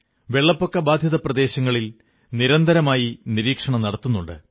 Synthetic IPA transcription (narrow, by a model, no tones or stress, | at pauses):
ʋe̞ɭːɐpːo̞kːɐbaːd̪ʱjɐðɐprɐd̪e̞ːɕɐŋːɐɭil | niɾɐnd̪ʱɐɾɐmaːjiniɾiːkʂɐɳɐmnɐɽɐt̪ːunːuɳɖɨ̰